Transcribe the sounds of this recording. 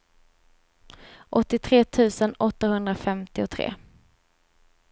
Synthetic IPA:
ʔɔt̪ːɪt̪ʰɾeːt̪ʰʉ̟ːsənɔt̪ːahɵnd̪ɾafɛmt̪ɪɔt̪ʰɾḛː

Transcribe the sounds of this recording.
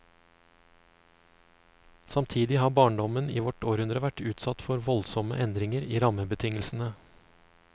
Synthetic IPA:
sɑmt̪ʰiːd̪ɪhɑːbɑːɳɖɔməniːʋɔʈoːɾhʉnd̪ɾəʋæʈʉːt̪sɑt̪fɔɾʋɔlsɔmə̰ʔɛnd̪ɾɪŋəɾiːɾɑməbət̪ʰɪŋəlsn̩ə

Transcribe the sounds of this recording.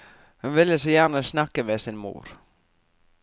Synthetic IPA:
hʏnvɪlːɪs̬ɔjæːɾnəsnahkəʋɛsinmṵːɾ̥

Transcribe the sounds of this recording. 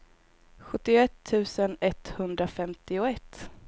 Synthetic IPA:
ɧɵt̪ːɪʊɛt̪ʰːʉ̟ːsənɛt̪hɵnd̪ɾafɛmt̪ɪʊɛt̪ː

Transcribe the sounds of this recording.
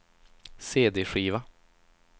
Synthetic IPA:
seːd̪eːɧiːva

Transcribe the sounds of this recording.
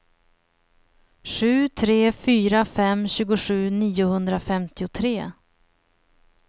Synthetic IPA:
ɧʉ̟ːt̪ʰɾeːfyːɾafɛmɕʉ̟ːɡʊɧʉ̟ːniːʊhɵnd̪ɾafɛmt̪ɪʊt̪ʰɾeː

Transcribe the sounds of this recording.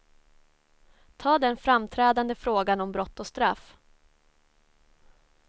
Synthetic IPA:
t̪ʰɑːd̪ɛnfɾamt̪ʰɾɛːd̪and̪əfɾoːɡanɔmbɾɔt̪ːɔst̪ɾaf

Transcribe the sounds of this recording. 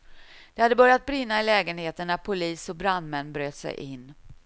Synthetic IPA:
d̪̥ɛhad̪ːəbœɾjat̪̚bɾɪnːaɪlɛːɡənheːt̪əɳːæɾpʰʊliːsɔbɾand̪mɛnːbɾøːt̪sɛ̰jʔɪnː

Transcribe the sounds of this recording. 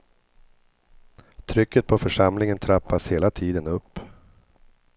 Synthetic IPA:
t̪ʰɾʏkːət̪̚pʰɔfœʂamlɪŋənt̪ʰɾapːasheːlat̪ʰiːd̪ənɵpː

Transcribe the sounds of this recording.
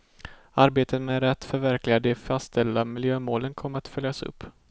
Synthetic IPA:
aɾbeːt̪ət̪mɛɾɛt̪ːfœɾvæɾklɪɡad̪əfast̪ʰɛld̪amɪljøːmoːlənkʰɔmːəɾat̪fœljasɵ̰pː

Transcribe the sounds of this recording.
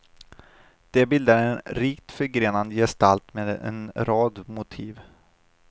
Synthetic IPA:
d̪̥ɛbɪld̪aɾɛnɾiːkt̪fœɾɡɾeːnand̪jɛst̪alt̪meːd̪ɛ̰nɾɑːd̪mʊt̪ʰiːv

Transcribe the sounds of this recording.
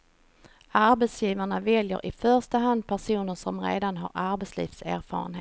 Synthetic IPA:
aɾbɛt̪sjiːvaɳavɛljə̰ɾʔɪfœʂt̪əɦand̪̚pʰæʂuːnəʂɔmɾḛːd̪anɦa̰ɾʔaɾbɛt̪slḭːfsæːɾfɑ̰ːɾə̰nheː

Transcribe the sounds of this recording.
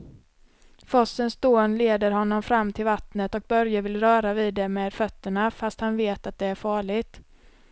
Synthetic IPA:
fɔsːənsd̪oːnleːd̪əɾhɔnːɔmfɾamːt̪ʰɪlvat̪nət̪ɔk̚bœɾjavɪlɾœːɾaviːd̪ːɛmeːd̪fœt̪ːəɳafast̪hanveːt̪at̪̚d̪ɛæɾfɑːɭɪt̪

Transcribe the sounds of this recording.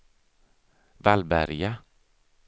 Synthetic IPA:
ʋvalbæɾja

